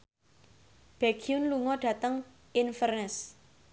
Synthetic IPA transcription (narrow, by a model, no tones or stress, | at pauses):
b̥ɛɡ̥iʊnluŋɔɖ̥ä̤t̪əŋ | ʔɪnfərnəs